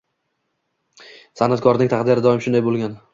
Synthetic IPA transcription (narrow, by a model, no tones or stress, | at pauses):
sanat̪̚kʰɒɾnɪŋt̪ʰaχd̪ɪjɾɪd̪ɒɪmʃʊnd̪ajbolˠɡʲan